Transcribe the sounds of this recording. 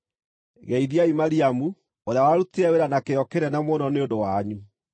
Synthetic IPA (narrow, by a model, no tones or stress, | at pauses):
ɣɛiðiaimaɾiamu | oɾeawaɾuteɛweɾanakeɔkeɾɛnamwɔnɔneondowaɲu